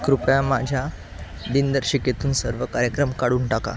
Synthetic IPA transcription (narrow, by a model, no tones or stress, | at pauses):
kɾupjãmad͡ʑʱja | d̪ind̪əɾɕiket̪uːnsəɾʋəkaɾjəkɾəmkaɽuːɳʈaka̰